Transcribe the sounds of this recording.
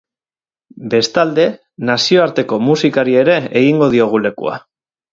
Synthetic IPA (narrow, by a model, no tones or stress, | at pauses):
be̞st̪ald̪e̞ | nasio̞aɾt̪e̞ko̞musikaɾie̞ɾe̞eɣ̞iŋɡo̞ð̞io̞ɣ̞ule̞kṵa̰